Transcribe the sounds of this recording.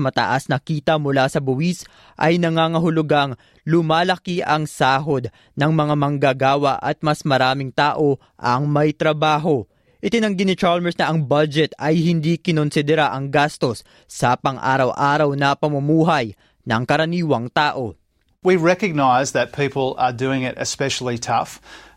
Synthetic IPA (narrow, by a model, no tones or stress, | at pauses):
mɐt̪ɐ̰ʔasnɐkiːt̪ɐmʊlasɐbʊwis | ʔɐ̰jnɐŋaːŋɐɦʊlʊɡaŋ | lʊmaːlɐkiʔɐŋsaːɦo̞d̪̚ | nɐŋmɐŋamɐŋɡaɡaːwɐʔɐt̪̚mɐsmɐɾaːmɪŋt̪aːʔo̞ | ʔɐŋmɐjt̪ɾɐbaːɦo̞ | ʔɪt̪ɪnɐŋɡɪnɪt͡ʃaɹlmɛsnɐʔɐŋbɐd͡ʒɛt̪ɐjhɪnd̪ikɪnonsɪd̪ɛɾaʔɐŋɡast̪o̞sː | ɐpɐŋʔa̰ːɾɐwʔaːɾɐwnɐpɐmɐmuːɦɐj | nɐŋkɐɾɐniːwɐŋt̪aːʔo̞ | wiɹɛkɨɡ̚naɪzðɨt̚pʰipl̩ˠə˞dʉɪ̃ŋɪɾɨ̰spɛʃl̩ˠitʰʌf